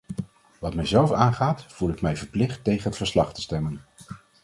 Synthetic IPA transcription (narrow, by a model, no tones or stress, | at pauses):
ʋɑtmɛjzɛlˠfaːnχaːtv̥ulɪkmɛjvəɹplɪχtːejχənɦətfəɹslɑχtə̥stɛmən